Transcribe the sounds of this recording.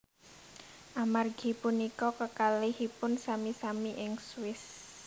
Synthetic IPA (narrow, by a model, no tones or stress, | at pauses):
ʔamarɡ̥i̤punikɔkəkalihipʊnsamisamiʔɪŋswɪs